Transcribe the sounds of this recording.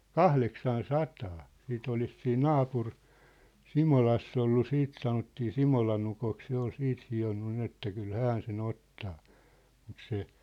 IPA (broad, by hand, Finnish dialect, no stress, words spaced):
kɑhleksɑn sɑtɑː siːt olis siːn nɑːpur simolɑsː olːu siːt sɑnotːiː simolɑn ukok se ol siːt hionːu nin etːæ kyl hæn sen otːɑː mut se